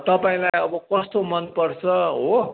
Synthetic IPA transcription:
t̪ʌpaĩlajʌbʌkʌst̪omʌnpʌrt͡sʰʌɦo

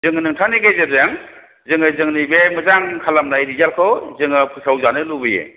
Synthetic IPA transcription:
zɯŋɯnɯŋtʰaniɡezedjaŋ | zɯŋɯzɯŋnibemɯzaŋkʰalamnajɾizalkʰɔwzɯŋɯpʰɯsawzanɯlubɯjḛ

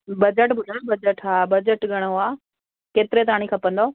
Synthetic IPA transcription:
bɐd͡ʑəʈbʱʊlobɐd͡ʑəʈaːbɐd͡ʑəʈɡʱɐɽ̃oaː | keːt̪ɪɾet̪ɐaːɽ̃ĩkʰɐpə̃nd̪oː

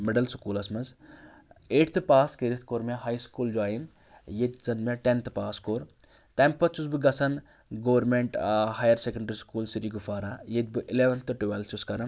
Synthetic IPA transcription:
meɖɐlsu̥kuːlɐsmɐz | eːʈʰt̪ʰɨpaːskeɾit̪ʰkoːɾmeɦaːjskuːld͡ʒuaːjin | jet̪zɐnmʲeʈent̪ʰpaːskoːɾ | t̪ɐmpɐt͡ʃusbɨɡɐsʰɐn | ɡoːʋɐɾmeɳʈɦaːjɐɾsekɐɳɖɐɾiskuːlsiɾiːɡufaːɾajet̪̚bɨʔileʋɐnt̪ʰɨʈuʋɐlt͡ʃuskɐɾɐn

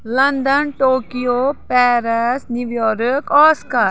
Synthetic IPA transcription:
lɐnd̪ənʈoːkijopɛːɾəsnjuʋjɔːɾəkɔːskaːɾ

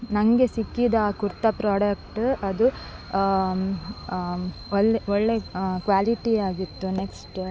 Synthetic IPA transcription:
nɐŋɡe̞sikːid̪ɐkuɾt̪ɐpɾaːɽɐkʈɐd̪u | ɔɭːɔɭːe̞kʋaːliʈiaːɡit̪ːuneksʈ

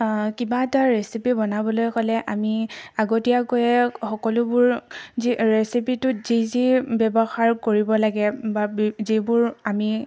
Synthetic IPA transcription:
kibataɹesipibɔnabɔlojkɔlɛʔamiaɡotijakojɛxɔkɔlʊbʊɹziɹesipitʊz̥izibɛbɔxaɹkoɹibɔlaɡɛbabzibʊɹami

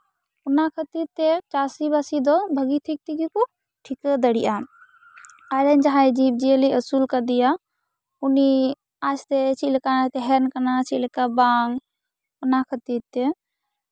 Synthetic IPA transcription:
unakʰət̪iɾt̪ɛt͡ʃasibasid̪ɔbʱəɡit̪ʰik̚t̪ikiku | ʈʰikəd̪əɽiʔa | aɾəɲd͡ʒaɦajd͡ʒib̚d͡ʒijəliʔəsulkəd̪ija | uni | ast̪ɛt͡ʃʰilɛkat̪ɛɦɛnkanat͡ʃʰilekabaŋ | ɔnakʰət̪iɾt̪ɛ

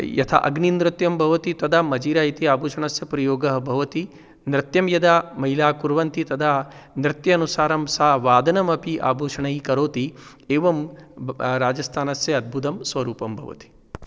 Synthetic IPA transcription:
jɐt̪ʰɐ̰ʔɐ̰ɡninɾɪt̪jɐmbʱɐʋɐt̪it̪ɐd̪ʱamɐd͡ʒiːɾaːjit̪iaːbʱuːʂɐɳɐsjɐpɾɐjoːɡɐɦɐbʱɐʋɐt̪i | nɾɪt̪jɐmjɐd̪amɐɦilaːkuɾʋɐnt̪it̪ɐd̪ʰanɾɪt̪jɐːnusaːɾɐmsaːʋaːd̪ɐnɐmɐpiʔa̰ːbʱuːʂɐɳɐjikɐɾoːt̪i | eːʋɐm | ɾaːd͡ʒɐst̪ʰaːnɐsjɐɐd̪̚bʱut̪ɐmsʋɐɾuːpɐmbʱɐ̰ʋɐ̰t̪i̥

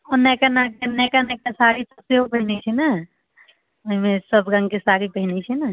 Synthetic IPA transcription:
ɔnɛkanakenɛkanɛkasaɾisəbseɦopəɦinɛt͡ʃʰɛnə | oɦimesəbɡãŋɡkesaɾipəɦinɛt͡ʃʰɛnə

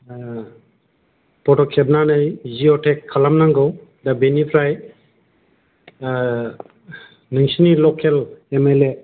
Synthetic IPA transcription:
pɔʈɔkʰeb̚nanɯjziɔʈʰekʰːalamnaŋɡɯw | dabenipʰɾaj | nɯŋsinilɔkʰːelemele

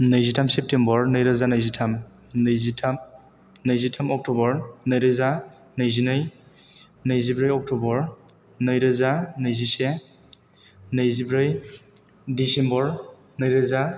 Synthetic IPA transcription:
nɯjzitʰamsep̚tembɔɹnɯjɾɯzanɯjzitʰam | nɯjzitʰam | nɯjzitʰamɔk̚tɔbɔɾnɯjɾɯza | nɯjzinɯj | nɯjzibɾɯjɔk̚tubɔɹ | nɯjɾɯzanɯjzise | nɯjzibɾɯj | disembɔɾ | nɯjɾɯza

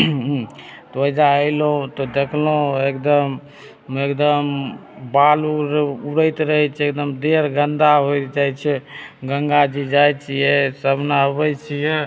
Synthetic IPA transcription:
t̪ɔəd͡ʒaəlõt̪ɔd̪ekʰloekd̪əm | ekd̪əmbaluɾuɽəjt̪ɾəɦɛt͡ʃʰekd̪əmd̪eɾɡənd̪aɦojt̪d͡ʒajt͡ʃʰɛɡə̃ŋɡad͡ʒid͡ʒajt͡ʃʰijɛsəbnaəβət͡ʃʰijɛ

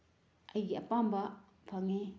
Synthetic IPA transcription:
ʔajiʔapamba | pʰaŋe

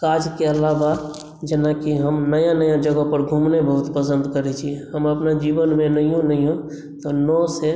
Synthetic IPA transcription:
kad͡ʒkeəlaba | d͡ʒenakiɦəmnəjãnəjãd͡ʒəɡəpəɾɡʱumnebəɦut̪pəsə̃nd̪kəɾɛt͡ʃʰiɛ̃ɦəməpnad͡ʒibənmenəijõnəijõ | t̪ɔnɔse

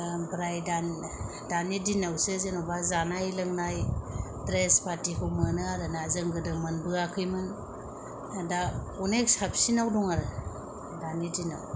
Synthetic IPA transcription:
bɾajda | danidinawsɯzenobazanajlɯŋnajdɾespatikʰɯwmɯnɯaɾɯnazɯŋɡɯdɯmɯnbɯakʰɯjmɯn | ada | uneksap̚sinawdɔŋaɾɯ | danidina̰w

